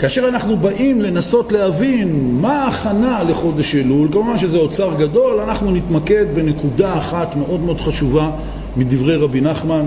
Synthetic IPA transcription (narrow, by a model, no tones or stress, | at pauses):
kaːʃe̞ʁanaχnubaʔimle̞naso̞tle̞avinmaːχanale̞χo̞de̞ʃelulkamuvanʃezeot͡saʁɡad̪o̞lanaχnunit̪make̞d̪be̞ne̞kudaːχatmeʔo̞d̪meo̞d̪χaʃuva | mid̪ivʁe̞jʁabinaχman